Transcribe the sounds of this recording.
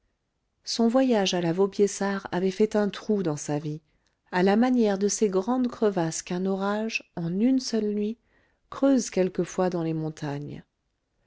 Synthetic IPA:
sɔ̃vwajaʒalavobjesaʁa̰vɛfɛt̪ɛ̃t̪χud̪ɑ̃savi | alamanjɛʁd̪əseɡʁɑ̃d̪kχəvaskɛ̃nɔʁaʒɑ̃nynsœlnɥi | kχøzkʲɛlkəfwad̪ɑ̃lemɔ̃t̪aɲ

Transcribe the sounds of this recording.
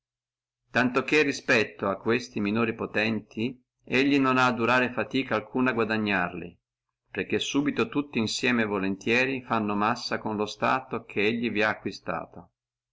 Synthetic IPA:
t̪ant̪okerːispɛt̪ːoakːwest̪iminoːɾipot̪ɛnt̪ʰi | eʎːinonaːd̪uɾaːɾefat̪iːkaːlkʰuːnaɡwad̪aɲːarlḭ | perk̟ːesːuːbit̪ot̪ut̪ːiːnsjɛːmevolent̪jɛːɾifanːomasːakonlost̪aːt̪okʰeeʎːiviaːkːwist̪a̰ːt̪o

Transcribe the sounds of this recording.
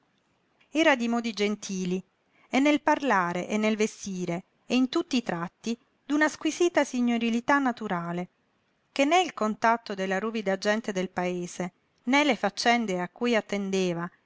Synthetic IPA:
ɛːɾad̪imɔːd̪id͡ʒent̪ʰiːli | enːelparlaːɾeʔenːelvest̪iːɾeː | int̪ut̪ːiːt̪ɾat̪ːi | d̪unaskwiziːt̪asiɲːoɾilit̪anːat̪uɾaːle | kenːɛilkont̪at̪ːod̪elːaɾuːvid̪ad͡ʒɛnt̪ed̪elpaeːse | nɛlefat͡ʃːɛnd̪eakːujat̪ːend̪eːva

